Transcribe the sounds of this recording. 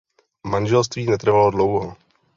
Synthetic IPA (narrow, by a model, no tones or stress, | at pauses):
manʒɛlst̪viːnɛt̪r̩valodlowɦo